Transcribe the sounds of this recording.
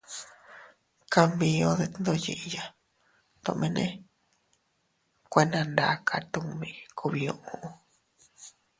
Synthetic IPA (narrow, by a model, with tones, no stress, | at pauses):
ka˧mbĩ˧õ˧ðe˧tnd̪o˧jḭ˧ʔja˧ | t̪õ̰˧ʔmẽ˧nḛ̃˦ | kʷe˧nã˧nd̪a˧˨˦kʰa˧t̪u˧mĩ˧kʰu˧βi˧õ˧ʔũ˧ʔũ˧